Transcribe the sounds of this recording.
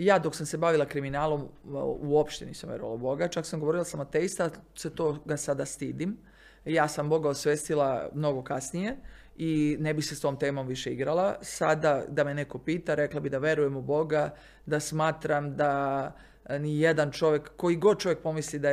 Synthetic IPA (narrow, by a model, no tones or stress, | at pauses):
jaːd̪o̞ksamse̞baʋilˠakɾiminaːlˠo̞muo̞pʃt̪eniːsamʋje̞ɾṵa̰la̰ubo̞ɡat͡ʃaksamɡo̞ʋo̞ɾilˠasamat̪eist̪aset̪oːɡasad̪ast̪iːd̪im | jaːsambo̞ɡaosʋeːst̪ilamno̞ɡo̞kasnije̞ | inebixsest̪o̞ːmt̪e̞ːmo̞mʋiʃe̞iɡɾalˠasad̪ad̪amene̞ko̞piːt̪aɾe̞klˠabid̪aʋje̞ɾuje̞mubo̞ɡa | d̪asmaːt̪ɾamd̪a | nijed̪ant͡ʃo̞ʋjekːo̞iɡo̞d̪̚t͡ʃo̞ʋjek̚po̞mislid̪a